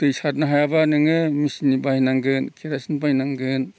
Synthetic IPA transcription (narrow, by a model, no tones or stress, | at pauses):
tɯjsat̚naɦajabanɯŋɯmisnibajnaŋɡɯnkʰiɾasinpajnaŋɡɯn